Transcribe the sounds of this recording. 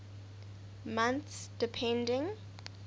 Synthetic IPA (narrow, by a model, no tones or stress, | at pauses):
mãnθsd̥ipʰɛ̃ndɪ̃ŋ